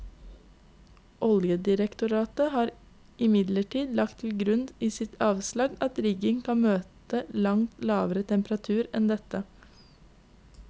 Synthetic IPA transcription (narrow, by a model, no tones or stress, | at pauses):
ʔɔljəd̪ɪɾəkt̪ʊɾɑːt̪əhɑːɾ | ʔɪmɪd̪ləʈiːd̪lɑk̚t̪ʰɪl̩ɡɾʉnd̪iːsɪt̪ʰɑːʋslɑɡɑt̪ɾɪɡɪŋkʰɑnmøːt̪əlɑŋt̪lɑːʋəɾət̪ʰɛmpəɾɑt̪ʰʉːɾɛnd̪ɛt̪ə